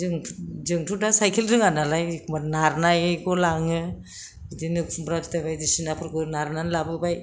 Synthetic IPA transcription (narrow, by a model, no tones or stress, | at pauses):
ɯŋʰd͡ʒɯŋtʰudasajkʰelɾɯŋanalajkʰmanaɾnajɡɔlaŋɯ | dinɯbɾakʰtajbajdisinapʰɯɾɡɯnaɾnanlabɯbaj